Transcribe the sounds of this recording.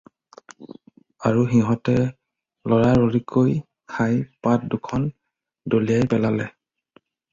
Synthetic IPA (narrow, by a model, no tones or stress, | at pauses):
aɹuɦiɦɔtɛ | lɔɹaɹoɹikʰoj | kʰajpat̚dukʰɔn | dolijajpɛlalɛ